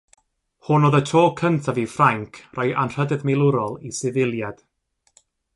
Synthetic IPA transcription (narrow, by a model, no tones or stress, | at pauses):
hʊnoːðətʰoːkʰəntʰavifraŋkʰrajʔanr̥ədɛðmɪlˠʊɾɔlˠisɪvɪlˠjad̥